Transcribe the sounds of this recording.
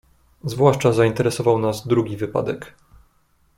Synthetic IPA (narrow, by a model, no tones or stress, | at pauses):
zvwaʂt͡ʂazaint̪ɛɾɛsɔvawnazd̪ɾuɡʲivɘpa̰d̪ɛk